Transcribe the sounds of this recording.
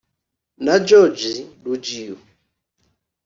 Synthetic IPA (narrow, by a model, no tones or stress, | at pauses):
nad͡ʒɔd͡ʒiɗud͡ʒiɔ